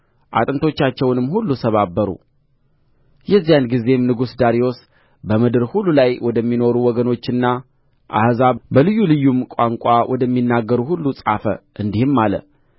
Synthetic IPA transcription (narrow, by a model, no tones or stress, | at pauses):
ʔa̰t̪ʼɨnt̪ʰo̞t͡ʃːat͡ʃːɛwnɨmːhulːusʰəβabːəɾṵ | jɛzːijanɡize̞mnɨɡusd̪aɾijo̞s | bəmɨd̪ɨɾhulːulajwɔd̪əmːino̞ɾuwɔɡəno̞t͡ʃːɨnːa | ʔa̰hzabəlɨjːulɨjːumkʼaŋkʷʼawʔɔd̪əmːinːaɡːəɾuhulːusʼa̰fə̰ʔɨnd̪ihɨmːalə̰